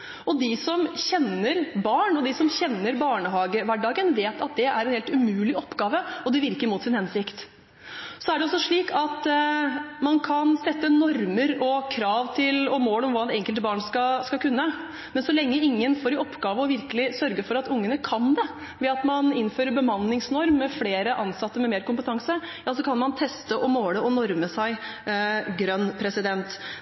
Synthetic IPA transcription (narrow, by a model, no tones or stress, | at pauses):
ɔd̪ɪsɔmçɛnəɾbɑːɳɔd̪ɪsɔmçɛnːəɾbɑːɳəhɑːɡəʋæɖɑːɡənʋeːt̪ʰɑt̪̚d̪ɛæɾɛnheːlt̪ʉmʉːlɪɔpːɡɑːʋəɔd̪ɛʋɪɾkəɾmʊt̪sɪnhɛnsɪkt̪ | sɔæɖɛɔsːɔʂɭiːkʰɑt̪ | mɑnkʰɑnsɛt̪ːənɔɾməɾɔkʰɾɑːʋt̪ʰɪlɔmoːlɔmʋɑːɛt̪ɛŋkəlt̪bɑːɳskɑskɑkʉnːə | mɛnsɔlɛŋːəɪŋːənfoːɾɪɔpːɡɑːʋəɔʋɪɾkəlɪsœɾɡəfɔɾɑt̪ʊŋːənəkʰɑnd̪ɛ | ʋɛɑt̪mɑnɪnføːɾəɾbəmɑnːɪŋsnɔɾmːɛfleːɾəʔɑnsɑt̪ːəɾmɛmeːɾkʊmpət̪ʰɑŋsə | jɑːsɔkʰɑnmɑnt̪ʰɛst̪əʔɔmoːləɔnɔɾməsæɪ | ɡɾœnːpʰɾɛsɪd̪ɛnt̪